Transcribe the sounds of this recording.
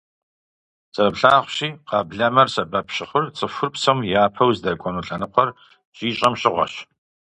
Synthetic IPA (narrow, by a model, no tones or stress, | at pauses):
t͡sʼɐbɬaːχʷɕiːqɑːbɮɐmɐrsɐbɐpɕɪχʷʊrt͡sʼɨfʷʊrpsɐmjaːpʰɐwzdakʷʼɔnuːɬʼɐnɨqʷʰɐr | ɕʼiːɕʼɐmɕʼɪʁʷɐ̰ɕ